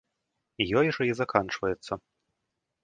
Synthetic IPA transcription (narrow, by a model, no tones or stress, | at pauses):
ijɔjʐɐizakant͡ʂvɐjɛt̪sːɐ